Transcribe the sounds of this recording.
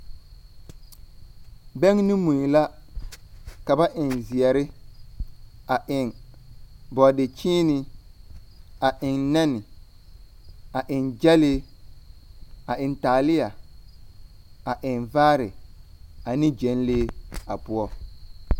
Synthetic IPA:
bɛ˦ŋnɪ̃˦mu˨n˨la˦ | ka˨ba˦ʔɪ˨nzɪ˨ɛ˨ɾɪ˦ | a˨ʔɪ˨ŋ | bɔ˨dɪ˨t͡ʃiː˦nɪ˨ | a˨ʔɪ˨ŋnɛ˦nɪ˨ | a˨ʔɪ˨nd͡ʒɛ˦lɪ˦ | a˨ʔɪ˨ntaː˨lɪ˦a˨ | a˨ʔɪ˨nvaː˦ɾɪ˨ | a˨nɪ̃˦d͡ʒe˨˦n˦leː˦a˨pʊ˦ɔ˦

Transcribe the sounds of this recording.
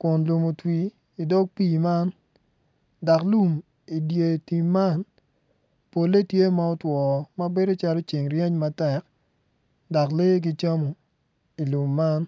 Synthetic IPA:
kʊ˨nlu˨mo˨twi˨ | i˨dɔ˦k̚piː˦˨ma˦n | da˨klu˦m | i˨dje˨ti˨mːa˦n | po˨lːe˦tje˦ma˦ɔ˦twɔː˨mɐ˦be˦do˦t͡ʃa˦lo˦t͡ʃɪ˨ŋrje˦ɲma˦tɛ˨k | da˨kle˦ɡ̬i˦t͡ʃa˦mo˨ | i˨lu˨mːa˦n

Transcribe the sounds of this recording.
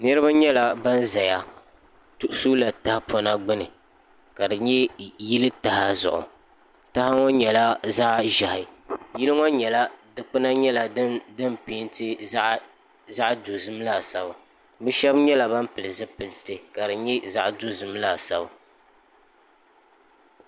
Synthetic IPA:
nɨ˦ɾɨ˦ba˦ɲɛ˦la˨ba˦n˦za˨ja˦˨ | tʊ˨ʔʊ˦su˦la˨ta˦ha˦pʰɔ˦na˦ɡ͡bɨ˦nɨ˨ | ka˨dɨ˨ɲɛ˦ji˦lɨ˦ta˨ha˦zʊ̰˨ʔʊ̰˨ | ta˦ha˦ŋɔ˦ɲɛ˨la˦za˦ʔʒa˨hɪ˨ji˦lɨ˦ŋɔ˦ɲɛ˨la˦dɨ˨k͡pɨ˦na˦ɲɛ˦la˨˦dɨ˦npi˨˦ntɨ˦ | za˦ʔdo˨zɨ˦m˦la˦˨sa˨˦ba˨ | bɨ˦ʃɛ˦bɲɛ˦la˨ba˦m˦pɨ˨lɨ˨zɨ˦pɨ˨ltɨ˨ka˨dɨ˨ɲɛ˦za˦ʔdu˦zɨ˦mla˦˨sa˨ba˨

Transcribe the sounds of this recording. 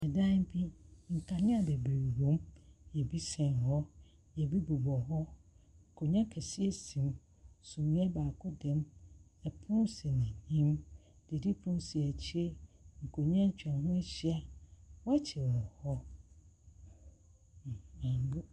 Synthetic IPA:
ɛ˨dã˦m̩˦bi˦ŋ̩˨kʰa˨nɪ̃˦a˨dɛ˨be˨ɾɾõ˨˦mjɛ˨bi˦sɛ̃˨nɦɔ˦ | jɛ˨bi˦bu˨bɔ˨ɦɔ˦ŋ̩˨kʰo˨ɲã˦kʰɛ˨si˦ɛ˨sĩ˨m | sũ˨mĩ˦ɛ˦baː˨kʰʊ˦dɛ̃˨mɛ˨pʰʊ̃˦se˨nã˨ɲĩ˦m | d̥e˨di˦pʰʊ̃˦sɪ˨ɛ˨t͡ɕʰi˦e˦ŋ̩˨kʰo˨ɲã˦ɲ̩˦t͡ɕᶣɛ̃˨nɦʊ̃˦ɛ˦ɕɪ˦a˨wɔ˦ɛ˦t͡ɕʰɪ˨ɾɔ˨hɔ˦˨ | ã˨˦bʊ˦

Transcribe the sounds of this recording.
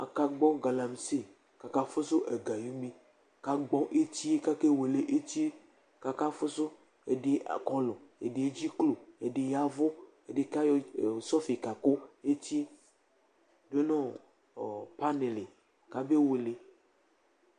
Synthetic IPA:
a̰˨ka˨ɡ͡bɔ˦ɡa˨la˨m˨se˦ | ka˨ka˦fo˦so˦ʔe˨ɡa˨ju˦mẽ˦ | ka˨ɡ͡bɔ̃˦ʔe˦t̪i˦e˦ka˦ke˦we˨le˨ʔe˦t̪i˦ | ka˨ka˦fo˦so˦ | e˨ɖe˨kɔ˦lɔ˨ḛ˨ɖe˨e˦d͡ʑi˦klo˨e˨ɖe˨ja˦vo˦ | e˨ɖe˨ka˦jo˦˨sɔ˦fi˨ka˨ko˦e˦ti˦ | do˦nɔ̃˦˨ | pa˦ne˨le˨ | ka˨be˦we˨le˨

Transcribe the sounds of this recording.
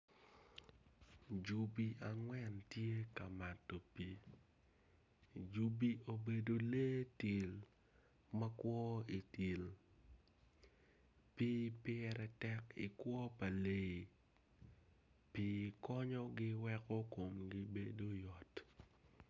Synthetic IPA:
d͡ʒu˨bi˦a˨ŋwɛ˦ntje˦ka˨ma˨tːo˨pi˨ | d͡ʒu˦bi˦o˨be˨do˨le˦ti˨l | mɐ˦kwɔ˦i˨ti˨l | pi˦pɪ˦ɛɾɛ˨tɛ˦kɪ̰˨kwɔ˦pa˨le˦i˨ | pi˦kɔ˦ɲɔ˦ɡɪ˦wɛ˦kɔ˦ko˨mɡɪ˦be˦do˦jɔ˨t

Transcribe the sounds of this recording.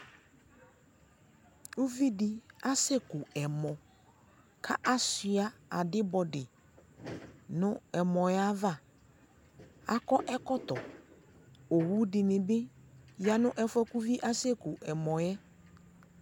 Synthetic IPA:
u˦vi˦dɪ˦˨a˦se˦kʊ˨ɛ˨mɔ̃˨ | kʰa˦ʔa˦sɪ˨a˦a˨dɪ˦bɔ˨dɪ˨ | nʊ̃˦ɛ˨mɔ̃˨jɛ˦a˦va˦˨ | a̰˦kɔ˦ʔɛ˦kɔ˦t̪ɔ˨ | o˨wu˦dɪ˨nɪ̃˨bɪ˦ja˨nʊ̃˦ʔɛ˦fɔ˦ku˦vi˦ʔa˦se˦kʊ˨ʔɛ˨mɔ̃˨jɛ˦

